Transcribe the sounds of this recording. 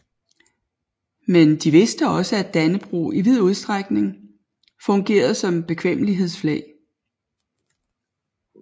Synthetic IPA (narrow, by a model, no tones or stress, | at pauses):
mend̥iʋe̝sd̥əɒ̽səæd̥ænəb̥ʁṵiʋið̞ˠuð̞ˠsd̥ʁaɡ̥ne̝ŋ | fɔ̽ŋɡ̥e̝̰ːɐð̩ˠsɒ̽mb̥e̝kʰʋem̰əliɦe̝ðˠsflɛːɪ